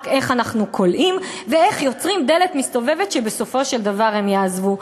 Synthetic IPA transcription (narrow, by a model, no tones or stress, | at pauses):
ke̞χanaχnukʰo̞lʔimvee̞χjo̞t͡sʁimd̪e̞letmist̪o̞ve̞vetʃebeso̞fo̞ʃeld̪avaʁhe̞mjaːzvu